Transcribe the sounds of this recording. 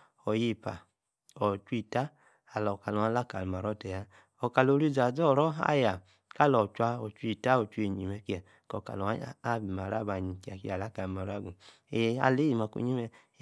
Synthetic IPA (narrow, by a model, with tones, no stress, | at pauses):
ɔ˨ji˧pa̰˨ | ɔ˨t͡ʃu˦i˦˨ta˦ | a˨lɔ˨ka˨lɔ˨a˦la˦ka˨lu˨ma˨ɾɔ˦˨tɛ˨ja˦ | ɔ˨ka˨lo˧˦ɾi˦za˨d͡zɔ˦˨ɾɔ˦a̰˦ja˨ | ka˦˨lɔ˨t͡ʃwa˧ɔ˨t͡ʃu˦i˧˨ta˦ɔ˨t͡ʃu˦e˨ɲi˨mɛ˧ki˦a˨ | kɔ˨ka̰˨lɔ˨a˦a˦˨bi˨ma˨ɾa˦˨ba˨ɲi˨ki˨˦a˨ki˦a˨la˦ka˨bi˨ma˨ɾa˦˨ɡu˨˧ | a̰˧le˦ji˨ma˨kṵ˨ɲi˦mɛ˧